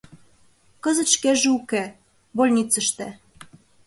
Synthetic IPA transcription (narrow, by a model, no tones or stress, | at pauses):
kɤ̆zə̆t̪ʃkeʒeuke | bolʲnʲit͡sə̆ʃt̪æ